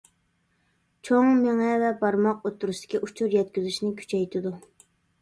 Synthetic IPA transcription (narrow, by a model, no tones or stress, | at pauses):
t͡ʃʰoŋmeŋɛvɛbɑɾmɑq̚ot̪ʰːuɾuʃd̪ɪ̥kʲiʔut͡ʃʰuɾjɛt̪̚kʲyzyʃnɪkʲʰy̥t͡ʃʰɛjt̪ʰɪd̪u